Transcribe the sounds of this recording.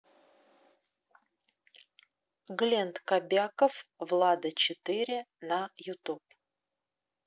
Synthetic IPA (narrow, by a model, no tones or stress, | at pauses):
ɡlʲent̪kabʲakəfvlˠad̪ət͡ɕɪt̪ɨɾʲɪnajʊt̪up